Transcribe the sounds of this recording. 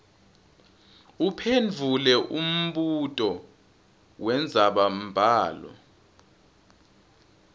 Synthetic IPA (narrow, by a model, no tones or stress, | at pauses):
upʰend͡vʱulɛʔum̩ɓutʼɔ | wɛnd͡zʱaɓam̩bʱaːlɔ̰